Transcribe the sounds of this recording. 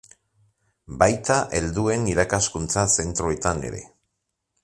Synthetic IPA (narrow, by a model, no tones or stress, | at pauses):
bajt̪aʔe̞ld̪ue̞niɾakaskunt͡sase̞nt̪ɾoe̞t̪ane̞̰ɾe̞̰